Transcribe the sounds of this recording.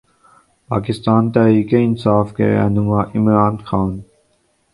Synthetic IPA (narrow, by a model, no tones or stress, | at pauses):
pa̰ːkɪst̪aːnt̪ɛɦɾiːkeɪnsaːfkḛɾɛ̰nʊmaʔɪmɾaːnxaːn